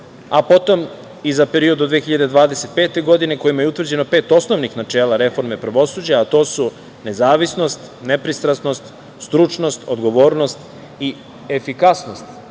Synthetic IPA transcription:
apo̞t̪o̞m | izapeɾio̞d̪od̪ʋexiʎad̪ed̪ʋaːd̪e̞se̞t̪̚pe̞ːt̪e̞ɡo̞d̪ine̞ko̞jimajeut̪ʋr̩d͡ʑe̞no̞peːt̪o̞sno̞ʋnixnat͡ʃe̞ːlˠaɾe̞fo̞ɾme̞pɾaʋo̞sud͡ʑaːt̪o̞ːsu | ne̞zaːʋisno̞st̪ | ne̞pɾist̪ɾasno̞st̪ | st̪ɾut͡ʃnost̪od̪ɡo̞ʋo̞ːɾno̞st̪ | i | efikasno̞st̪

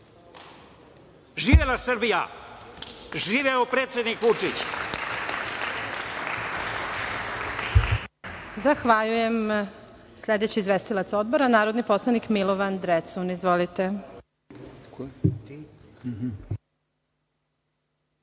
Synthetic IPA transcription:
ʒiːʋelasɾbija̰ | ʒiːʋeopɾet̪sjed̪nikʋut͡ʂit͡ɕ | zaxʋaʎujem | sʎʲed̪et͡ɕiːzʋest̪ilat̪so̞d̪̚boɾanaːɾod̪nipo̞slˠanikmilˠoʋand̪ɾet̪sunizʋolit̪e

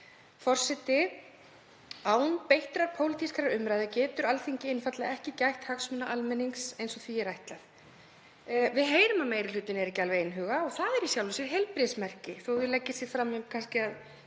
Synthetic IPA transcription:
fɔr̥sɛt̪ɪ | aːwnpejht̪ɾaɾpʰowlɪt̪ʰiskʰaɾaɾʏmɾajðɪcɛːt̪ʏɾalθiɲcɪɪnfat̪laɛhcɪcajht̪haksmʏnaʔalmɛniŋksejnsɔɣθviɛɾajht̪laθ | vɪðɦeːjɾʏmameːjɾɪlʏːt̪ɪnɛɾɛcːalvɪejnɦʏːɣaɔɣθaðɛɾisjawlvɪsɪɦelpɾɪsmɛr̥cɪθoðʏlɛcːɪsjɪ̥fɾamjʏmkʰanscɪað

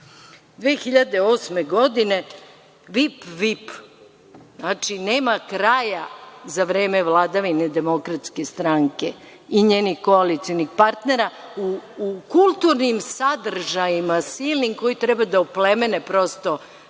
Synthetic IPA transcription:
d̪ʋeːxiʎad̪eoːsme̞ɡo̞d̪ine̞ | ʋipʋip | znaːt͡ʂineːmakɾajazaʋɾeːme̞ʋlˠad̪aʋined̪e̞mo̞kɾat̪skest̪ɾaŋke | iɲeːnixkoalit̪sionixpaɾt̪ne̞ɾauːkulˠt̪uɾnimsad̪r̩ʒajimasilniŋɡko̞jit̪ɾɛbad̪aoplemenepɾo̞st̪o̞

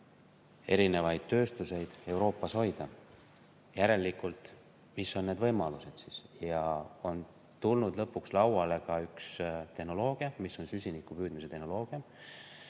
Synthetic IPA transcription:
e̞ɾine̞vɑjd̪̥̚t̪ːø̞ːst̪use̞jd̪̥e̞wɾo̞ːpːˑɑsho̞jd̪ɑ | jæɾe̞lːikːˑult̪ˑ | miso̞nne̞d̪vɤjmɑluse̞d̪̥sisjɑo̞n | t̪ulnud̪lɤpːˑukslɑwɑle̞kɑykst̪e̞hno̞lo̞ːɡ̥iɑmisːo̞nsysʲinikːupyːd̪̥mis̬e̞t̪e̞hno̞lo̞ːɡ̥iɑm

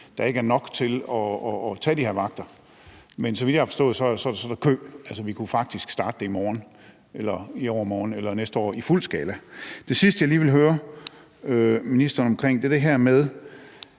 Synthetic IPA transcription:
d̥ɑ̈e̝ɡ̥əæɐnɒ̽ɡ̥t͡sʰe̝lɒːt͡sʰɛ̰ːd̥ihe̝ɐ̰ʋɑ̈ɡ̥̚d̥ɐ | mensɒʋid̥jɑhɑfɒsd̥ɔ̽ːð̩ˠsɒ̽æɐd̥esɒ̽d̥esɒ̽d̥ækʰø̰ːælsəʋikʰufɑ̈ɡ̥̚d̥isɡ̥sd̥ɑ̈ːd̥ə̥d̥eimɒːn | ʔelɐiɒʊ̰ɐmɒːn̩elɐnesd̥əɒ̰ːiful̰sɡ̥ɛːlæd̥e̝sisd̥əjɑ̈ɪliːʋelɦøːɐ | øminisd̥ɐnɒ̽mkʰʁeŋ̰d̥eɐd̥e̝ɦæɐmeð̞ˠ

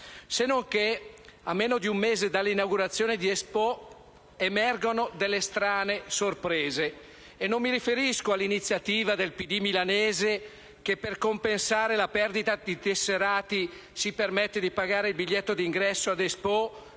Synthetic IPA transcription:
senoŋkeamːeːnod̪iumːeːzed̪alːinawɡuɾat̪sːjoːned̪iespɔ | emɛrɡonod̪elːest̪ɾaːnesorpɾeːzeː | nːomːiɾifeɾiskoalːinit̪sːjat̪iːvad̪elpid̪imilaneːze | kepːerkompensaːɾelapɛrd̪it̪ad̪it̪esːeɾaːt̪i | sipermɛt̪ːed̪ipaɡaːɾeilbiʎːet̪ːod̪iŋɡɾɛsːoad̪espɔ

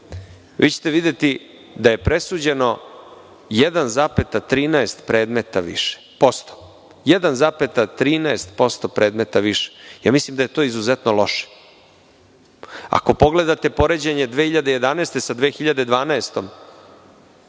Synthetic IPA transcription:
ʋḭt͡ɕe̥t̪eʋid̪je̞t̪i | d̪aje̞pɾe̞suːd͡ʑe̞no̞ | jed̪anzaːpe̞t̪at̪ɾiːnaest̪pɾe̞ːd̪met̪aʋḭʃe̥po̞st̪o̥ | jed̪anzaːpet̪at̪ɾiːnaest̪po̞st̪o̞pɾe̞ːd̪me̞t̪aʋiʃe̥jaːmislˠimd̪ajet̪o̞ːizuzet̪nolo̞ʃe̥ | a̰ko̞po̞ɡle̞d̪at̪e̞po̞ɾe̞d͡ʑeɲe̞d̪ʋexiʎad̪eje̞d̪anaest̪e̞sad̪ʋeːxiʎad̪e̞d̪ʋaːnaest̪o̞m

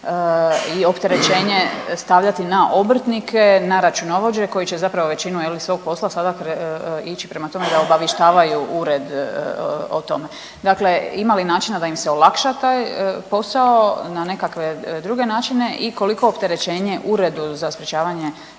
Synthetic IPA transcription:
io̞pt̪e̞ɾe̞t͡ɕe̞ːɲe̞st̪aʋʎat̪inaʔo̞br̩t̪nikʰe̞naɾat͡ʃuno̞ʋo̞d͡ʑe̞ko̞jit͡ɕt͡ʃe̞zapɾaʋoʋe̞t͡ɕinujelisʋo̞ɡ̚po̞slasad̪akɾit͡ʃipɾe̞mat̪o̞med̪aobaʋjeʃt̪aːʋajuʔuɾed̪ | o̰t̪o̞me̞ | d̪akle̞imalinaːt͡ʃinad̪aimseo̞lˠakʃat̪aːjpo̞sao̞nane̞kakʋe̞d̪ɾuɡe̞naːt͡ʃine̞ʔiko̞liko̞ːpt̪e̞ɾe̞t͡ɕe̞ːɲe̞ʔuɾe̞d̪uzaspɾet͡ʃaːʋaɲe̞

